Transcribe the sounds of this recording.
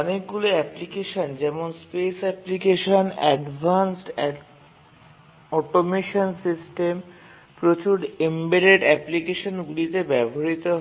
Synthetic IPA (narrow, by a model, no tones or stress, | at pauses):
ɔnek̚ɡuloɛplikeʃond͡ʑɛmonspesɛplikeʃonɛ̰ɖbʱansʈɛ | ɔʈomeʃonsisʈem | pɾot͡ɕuɾembeɾeɖɛplikeʃonɡulit̪ebɛbʱoɾit̪oɦ